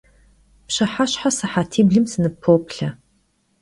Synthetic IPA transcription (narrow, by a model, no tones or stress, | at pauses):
pɕɐħaɕħasɨħatʰiːbɮɨmsɨnɨpʰːowpʰɬɐ